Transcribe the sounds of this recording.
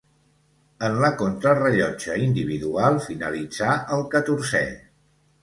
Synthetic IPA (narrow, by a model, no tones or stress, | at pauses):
ənləkont̪ɾərəʎɔd͡ʒəind̪iβ̞iðualˠfinə̰lid͡zaʔəlˠkət̪uɾsɛ̰